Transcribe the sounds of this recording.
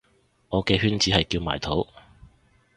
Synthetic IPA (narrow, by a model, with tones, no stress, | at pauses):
ŋɔː˨˧kɛː˧hyː˥nt͡siː˨˥ɦɐ˨jkiː˧wma̰ː˨˩jt̪ʰo˨˥w